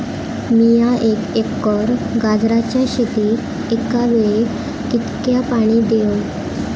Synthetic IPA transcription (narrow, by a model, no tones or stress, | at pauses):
mijaʔekekːɔɾɡad͡zɾat͡ɕjaɕet̪iː | ekaʋeɭe | kit̪kjapaɽ̃id̪eo